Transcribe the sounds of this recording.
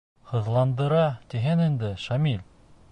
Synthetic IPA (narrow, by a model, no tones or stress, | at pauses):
hɤ̆ðlˠɑnd̪ɤ̆ɾɑt̪iɦɘnind̪ɘʃamilʲ